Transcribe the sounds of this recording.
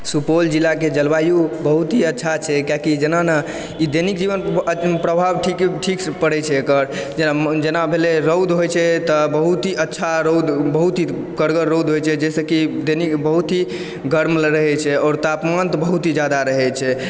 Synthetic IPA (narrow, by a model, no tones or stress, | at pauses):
supold͡ʒilːaked͡ʒəlbajubəɦut̪ɦiətːʃʰat͡ʃʰɛkakid͡ʒenana | id̪enikd͡ʒibənpɾəbʱabʈʰikʈʰikspəɽɛt͡ʃʰɛːkəɾd͡ʒenad͡ʒenabʱeleɾəwd̪ɦojt͡ʃʰɛt̪əbəɦut̪ɦiʔətːʃʰaɾod̪bəɦut̪ɦi | kəɾɡəɾːowd̪ɦojt͡ʃʰɛd͡ʒɛsəkid̪enikbəɦut̪ɦi | ɡəɾmləɾəɦɛt͡ʃʰɛɔːɾt̪apmant̪bəɦut̪ɦid͡ʒad̪aɾəɦɛt͡ʃʰɛ